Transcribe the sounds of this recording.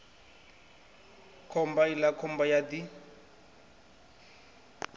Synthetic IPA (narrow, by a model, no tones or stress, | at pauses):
kʰɔmbailakʰɔmbajadi